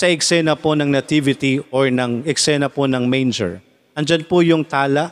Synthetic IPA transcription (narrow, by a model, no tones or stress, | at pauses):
sɐɛksɛnɐponɐŋnɐt̪ivɪt̪ioɹnɐŋɛksɛnɐponɐŋmejnd͡ʒɛ̰ɹ | ʔɐnd͡ʒɐnpʊjʊŋt̪aːlaʔ